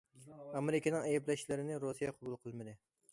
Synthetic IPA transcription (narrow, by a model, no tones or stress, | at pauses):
ɑmeɾɪkʲʰenɪŋɛjɛplɛʃlɪɾɪnɪɾosijɑqʰobulˠqʰəlˠmɨd̪ɪ